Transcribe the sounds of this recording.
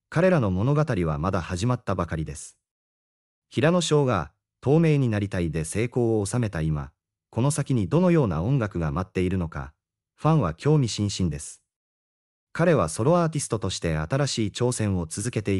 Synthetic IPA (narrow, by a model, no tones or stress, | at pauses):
kaɾe̞ɾano̞mo̞no̞ɡat̪aɾʲiβ̞a̰mad̪ahaʑimat̪ːabakaɾʲid̪e̞sɨ̥ | çiɾano̞ɕo̞ːɡa | t̪o̞ːme̞ːɲ̟inaɾʲit̪aid̪e̞se̞ːko̞ːoːsame̞t̪aima̰ | ko̞no̞sakʲiɲ̟id̪o̞no̞jo̞ːna̰õ̞ŋɡakɯ̟ɡamat̪ːe̞iɾɯ̟no̞ka̰ | ɸãɰ̃βakʲo̞ːmʲiɕĩɰ̃ɕĩnd̪e̞sɨ̥ | kaɾe̞β̞aso̞ɾo̞aːt̪ʲisɨ̥t̪o̞t̪o̞ɕi̥t̪e̞at̪aɾaɕiːt͡ɕo̞ːsẽ̞ɰ̃o̞t͡sɨzɨke̞t̪e̞